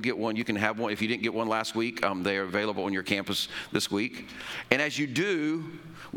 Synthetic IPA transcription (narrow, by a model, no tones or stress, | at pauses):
ɡɛʔwʌ̃njɨkɨ̃n̩ɨvwʌ̃nɨfjɨdɪdⁿn̩ɡ̥ɛʔ̚wʌ̃nlæst̚wikʰðeɪə˞ɨveɪlˠəbl̩ˠə̃njə˞kʰæ̃mpəsðɪswikɨ̃ɾ̃ɨzjɨdɨ